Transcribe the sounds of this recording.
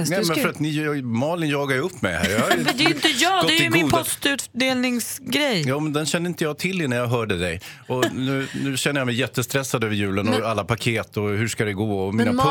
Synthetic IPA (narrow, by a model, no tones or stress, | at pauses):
nɛːmmɛnfəɾat̪nɪmɑːlɪnjɑːɡaɾɵpʰːmɛ̰jhæ̰ɾjɑhad̪ɛɪnt̪əjɑːdɡɔt̪ɛæɪmɪuːdpʰɔst̪ʉ̟ːt̪d̪eːlnɪŋsɡɾɛjjɑːmɛnd̪ɛnɕɛnːəɪnt̪əjɑːt̪ʰɪlːɪnæɾjɑɦœːɖəd̪ɛj | ɔnʉ̟ːnʉ̟ːɕɛnːəjamɛjːɛt̪ːəst̪ɾɛsːad̪øːvəɾjʉ̟ːlənɔalːapʰakʰeːt̪ɔɦʉʂkad̪ɛɡoːɔmiːna